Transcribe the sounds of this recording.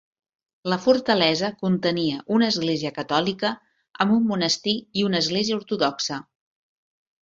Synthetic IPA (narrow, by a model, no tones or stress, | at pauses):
ləfuɾt̪əlɛzəkunt̪əniəʔunəːzɣleziəkət̪ɔlikə | əmbumːunəst̪iiunəzɣleziəuɾt̪uðɔksə